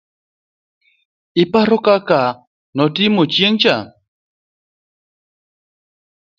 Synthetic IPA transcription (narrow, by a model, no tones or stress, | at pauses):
ipaɾokaka | nɔtimot͡ʃjeŋt͡ʃa